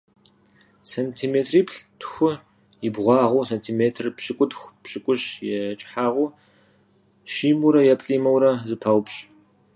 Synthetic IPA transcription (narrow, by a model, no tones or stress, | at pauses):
sɐntʰiːmeːtʰriːpʰɬtʰxʷʊ | jɪbʁʷɑːʁʷuːsɐntʰiːmeːtʰrpɕɪkʷʼʊdxʷpɕɪkʷʼʊɕjɛt͡ʃʼħaːʁuː | ʃiːmuɾɐjɛpʼɬʼiːmɐwɾɐzɨpʰɐwpɕ